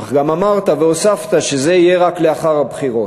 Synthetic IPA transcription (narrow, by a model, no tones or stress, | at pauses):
aχɡamamaʁt̪ave̞osaft̪aʃe̞ze̞ijeʁakleaχaʁabχiʁo̞